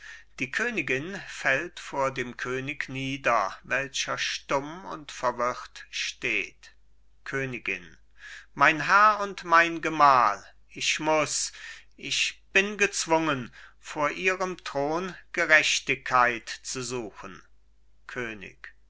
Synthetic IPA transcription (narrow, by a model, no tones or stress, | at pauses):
d̥iːkʰøːnɪɡɪnfɛltfoːɐdeːmkʰøːnɪkniːdɐvɛlçɐʃtʊmʊ̰ntfɛɐvʏʁtʃteːt | kʰøːnɪɡɪ̰n | maɪnɦɛɐʊntmaɪnɡəmaːl | ʔɪçmʊsʔɪçb̥ɪnɡət͡sv̥ʊŋənfoːɐʔiːʁəmtʁ̥oːnɡ̥əʁɛçtɪkʰːaɪtt͡suzuːxən̩ | kʰøːnɪ̰k